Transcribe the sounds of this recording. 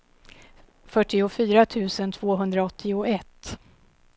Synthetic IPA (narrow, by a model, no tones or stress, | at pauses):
fœʈːɪʊfyːɾat̪ʰʉ̟ːsənt̪ʰv̥oːɦɵnd̪ɾaɔt̪ʰːɪʊɛt̪ː